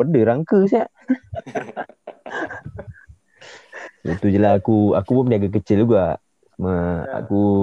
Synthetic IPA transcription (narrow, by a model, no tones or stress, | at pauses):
ədəɾaŋkəs̬a | it̪ud͡ʒəlaakuakuomdiaɡak̬ət͡ʃɪluɡa | məa̰ku